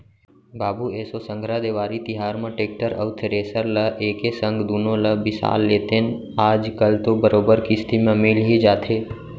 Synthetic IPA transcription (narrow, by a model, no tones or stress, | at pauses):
baːbueːsosə̃ŋɡʱɾad̪eːʋaːɾit̪ɪɦaːɾmẽʈeːk̚ʈəɾə̰ʊt̪ʰɾeːsəɾləʔeːkesə̃ŋɡd̪uːnõləbɪsa̰ːlːeːt̪en | aːd͡ʒkəlt̪obəɾoːbəɾkist̪ʰimẽmɪlɦid͡ʒaːt̪ʰeː